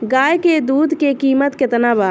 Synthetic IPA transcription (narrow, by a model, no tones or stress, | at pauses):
ɡaːjked̪uːd̪ʱkekiːmət̪ket̪naba